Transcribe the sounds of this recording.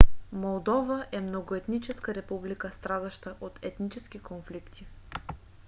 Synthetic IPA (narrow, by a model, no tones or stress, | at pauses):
molˠd̪ɔvəʔɛmnoɡoɛt̪nit͡ʃɛskəɾɛpublikəst̪ɾad̪əʃt̪əʔot̪ɛt̪nit͡ʃɛsk̟ʲikonflikt̪i